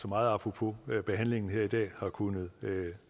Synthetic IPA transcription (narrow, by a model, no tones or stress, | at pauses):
sɒ̽mɑ̈ːð̞̩ˠɑpʰʁopʰo̝b̥e̝ɦæn̰le̝ŋn̩ɦeɐid̥ɛ̰ːhɑ̈kʰunəð̞̩ˠø